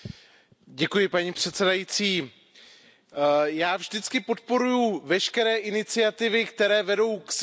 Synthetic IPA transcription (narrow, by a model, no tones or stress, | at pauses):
ɟɛkujɪpaɲipr̝̥ɛt̪sɛdajit͡siː | jaːvʒdɪt͡skɪpo̞t̪̚po̞ɾujuvɛʃkɛɾɛːʔɪnɪt͡sɪat̪ɪvɪkt̪ɛɾɛːvɛdo̞wks